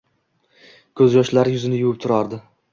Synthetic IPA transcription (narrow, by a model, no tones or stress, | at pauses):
kʰɵzjɒʃlaɾɪjʊzɪnɪjʊwɪp̚t̪ʰʊɾaɾd̪ɪ